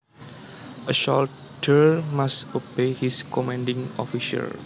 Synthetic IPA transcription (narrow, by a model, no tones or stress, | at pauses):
ʔəʃɔl | tʰəɹmasobehiskɔmãndiŋɔ̰fiʃa̰l